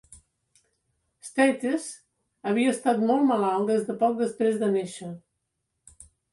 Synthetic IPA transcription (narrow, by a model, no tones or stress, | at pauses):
st̪ɛt̪es | əβ̞iəːst̪at̪mɔlˠməlalˠd̪ezðəpɔk̚d̪əspɾezðəneʃə